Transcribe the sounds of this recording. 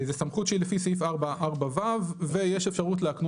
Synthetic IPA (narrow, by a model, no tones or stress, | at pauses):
zesamχutʃeilefisifaʁbaʔaʁbavavvejeʃefʃaʁutleakn